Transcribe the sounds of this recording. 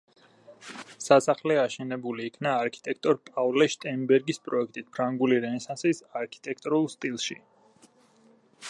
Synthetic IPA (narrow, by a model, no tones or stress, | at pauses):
sasaχlɛaʃɛnɛbuliːkʰnaːɾkʰi̥t̪ʼɛk̚ʰt̪ʼɔɾpʼavlɛʃt̪ʼɛmbɛɾɡispʼɾɔɛk̚ʰt̪ʼit̪̚ʰpʰɾaŋɡuliɾɛnɛsansisaɾkʰi̥t̪ʼɛk̚ʰt̪ʼɾulˠst̪ʼilˠʃi